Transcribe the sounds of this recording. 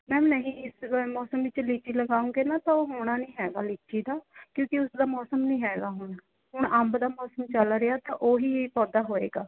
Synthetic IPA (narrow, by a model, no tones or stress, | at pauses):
mɛ̃ːnəɦĩːɪsmɔːsəmʋɪt͡ʃliːt͡ʃiːləɡaːũːɡeːnaːt̪ãːoːɦoːɽaːnĩːɦɛːɡaːliːt͡ʃiːd̪aːkjõːkɪʊsd̪aːmɔːsəmnĩːɦɛːɡaːɦʊɳ | ɦʊɳəmbd̪aːmɔːsəmt͡ʃəlɾɪjaːt̪ãːʔoːɦiːpɔːd̪aːɦoːḛːɡaː